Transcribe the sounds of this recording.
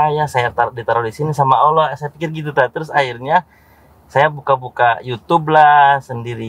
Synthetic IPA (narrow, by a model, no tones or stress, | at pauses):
ajasajat̪adit̪aɾoɾisinisamaolosajapikɪrɡit̪̬ut̪at̪əɾʊsahirɲa | sajabukabukajut̪ub̚lasəndiɾi